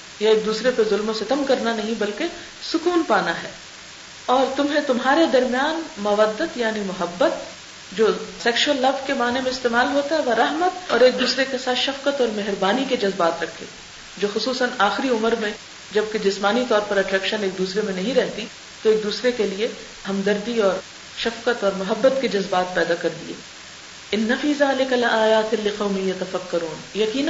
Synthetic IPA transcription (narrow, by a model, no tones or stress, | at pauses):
jaeːk̚d̪uːsɾepezʊlmõsɪt̪əmkɐɾnanɐɦĩbɐlke | sʊkuːnpaːnaɦɛː | ɔːɾt̪ʊmɦẽt̪ʊmɦaːɾed̪ɐɾmijaːnmɐʋəd̪ːət̪jaːnimʊɦəbːət̪̚ | d͡ʒoːsɛːkʃʊwəlːɐbkemaːnemẽɪst̪eːmaːlɦoːt̪aɦɛʋɐɾɐɦmət̪ɔːɾeːk̚d̪uːsɾekesaːt̪ʃɐfkət̪ɔːɾmɛɦɾbaːniked͡ʒɐzbaːt̪ɾɐkʰːḛː | d͡ʒoːxʊsuːsənaːxɪɾiʊməɾmẽ | d͡ʒɐb̚ked͡ʒɪsmaːnit̪ɔːɾpɐɾɐʈɾɛːkʃəneːk̚d̪uːsɾemẽnɐɦĩɾɛɦt̪i | t̪oeːk̚d̪uːsɾekelie | hɐmd̪ɐɾd̪iɔːɾ | ʃɐfqət̪ɔːɾmʊɦɐbːət̪ked͡ʒɐzbaːt̪̚pɛːd̪akɐɾd̪ḭḛː | ɪnːɐfiːzaːlɪkɐlaːjaːt̪ɪlɪqɐʊmijɐt̪ɐfɐkːɐɾuːnjɐqiːn